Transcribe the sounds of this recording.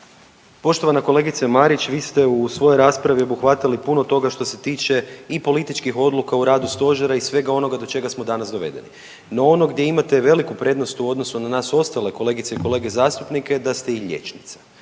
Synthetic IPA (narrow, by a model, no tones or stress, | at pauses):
po̞ʃt̪o̞ʋanako̞le̞ɡit̪semaɾit͡ʃʋiːst̪e̞usʋo̞joɾaːspɾaʋio̞buxʋat̪ilipunot̪o̞ɡaʃt̪o̞se̞t̪iːt͡ʃe̞ipo̞lit̪it͡ʃkixo̞d̪lukauɾaːd̪ust̪o̞ʒeɾaisʋe̞ɡao̞no̞ɡad̪o̞t͡ʃe̞ɡasmo̞d̪anasd̪o̞ʋe̞̰d̪e̞̰nḭ | no̞o̞no̞ɡd̪je̞imat̪e̞ʋe̞likupɾe̞ːd̪no̞st̪uo̞d̪no̞sunanaːso̞st̪ale̞ko̞le̞ɡit̪seiko̞le̞ːɡe̞zaːst̪upnike̞d̪ast̪e̞iʎʲḛt͡ʃnit̪sḁ